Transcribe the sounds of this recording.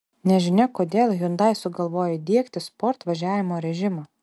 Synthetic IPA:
nʲɛʒʲɪnʲɛkoːd̪ʲeːlˠjʊnd̪ɐɪsʊɡɐlˠʋoːjɛd̪ʲiɛkt̪ʲɪspɔɾt̪ʋɐʒʲæːʋʲɪmoːɾʲɛʒʲɪmɑː

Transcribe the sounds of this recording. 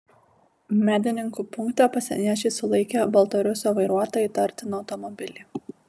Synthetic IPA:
mʲæːd̪ʲɪnʲɪŋkuːpʊŋkt̪ɐpɐsʲɪ̰nʲiɛt͡ʃʲesʊlˠɐɪkʲebɐlˠt̪ɐɾʲʊsʲoːʋɐɪɾuɔt̪oːjiːˑt̪ɐɾʲt̪ʲɪnɒʊt̪ɔmɔbʲɪlʲiː

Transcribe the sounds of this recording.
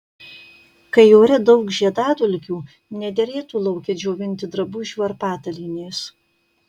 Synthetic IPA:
kɐɪjoːɾʲɛd̪ɐʊkʒʲiɛd̪ɑːd̪ʊlʲkʲuː | nʲɛd̪ʲɛɾʲeːt̪uːlˠɒʊkʲɛd͡ʒʲoːʋʲɪnʲt̪ʲɪd̪ɾɐbuːʒʲʋʲɐɾpɑːt̪ɐlʲɪnʲeːs

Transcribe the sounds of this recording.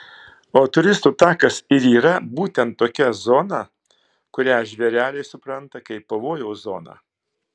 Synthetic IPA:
oːt̪ʊɾʲɪst̪uːt̪ɑːkɐsɪɾiːɾɐbuːt̪ʲɛnt̪̚ːoːkʲɛzoːnɐ | kʊɾʲæːʒʲʋʲɛɾʲæːlʲɛɪsʊpɾɐnt̪ɐkɐɪpːɐʋoːjɛʊzo̰ːnɑ̰ː

